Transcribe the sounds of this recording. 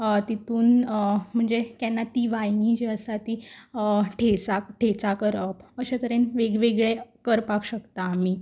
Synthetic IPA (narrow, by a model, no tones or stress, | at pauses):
ət̪it̪uːnm̤əɳd͡zekanːat̪iːʋajŋid͡ʑiəsat̪i | ʈʰet͡sakʈʰet͡sakəɾəpəɕat̪əɾenʋeɡʋeɡɭekəɾpakɕəkt̪aːmi